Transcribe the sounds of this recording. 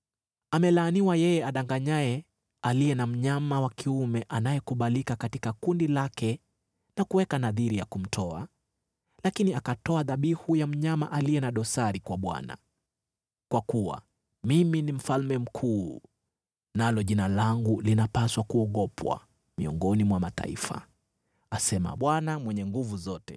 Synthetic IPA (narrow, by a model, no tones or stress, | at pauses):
amɛlaːniwajɛjɛaɗaŋɡaɲaɛ | alijɛnam̩ɲamawakʰiumɛʔanajɛkuɓalikakatikakundilakɛ | nakuwɛkanaðiɾijakum̩tʰɔa̰ | lakiniakatɔaðaɓihujam̩ɲamaʔaliɛnaɗɔsaɾikwaɓwa̰na̰ | kwakuwa̰ | miminim̩falmɛm̩kʰuː | nalɔʄinalaŋɡulinapaswakuɔɠɔpʰwa̰ | mḭɔ̰ŋɡɔnimwamata̰ḭfa̰ | asɛma̰ɓwanamwɛɲɛŋɡuvuzɔtɛ